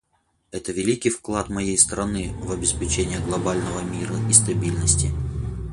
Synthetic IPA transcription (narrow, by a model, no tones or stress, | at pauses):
ɛt̪əvʲɪlʲikʲɪjfklˠat̪mɐjejst̪ɾɐnɨvɐbʲɪspʲɪt͡ɕenʲɪjəɡlˠɐbalʲnəvəmʲiɾəist̪ɐbʲilʲnəsʲtʲɪ